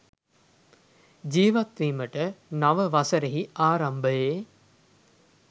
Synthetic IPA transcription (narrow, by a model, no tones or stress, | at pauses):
d͡ʒiːʋat̪ʋiːməʈənaʋəʋɐsəɾeɦiʔaːɾambəjeː